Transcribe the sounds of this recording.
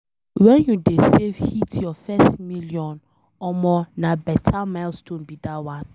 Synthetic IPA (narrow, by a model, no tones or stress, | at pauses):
wɛ̃njudesev̥hitʰjɔfɛstmiliɔ̃n | ɔmɔnabɛtʰamaɪlstʰõnbidawãn